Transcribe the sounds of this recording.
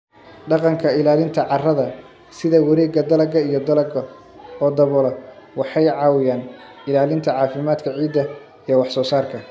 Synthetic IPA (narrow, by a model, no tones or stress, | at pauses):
ɖɑqɑŋkʰɐɪlaːlɪnt̪ʰɐʕɑrɐðɐ | sɪðɐwɐɾɛːɡɐd̪ɐlɐɡɐijɞd̪ɐlɐɡɐ | ɔːd̪ɐβɔlɐwɑħɑjʕɑːwɪjaːn | ɪlaːlɪnt̪ʰɐʕɑːfɪmaːd̪kʰɐʕiːd̪ːɐ | ijɔwɑħsɔːsaːrkʰɐ